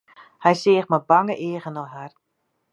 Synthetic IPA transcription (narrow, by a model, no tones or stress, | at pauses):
hɛjsɪːxməbaŋəʔeːɣənɔɦar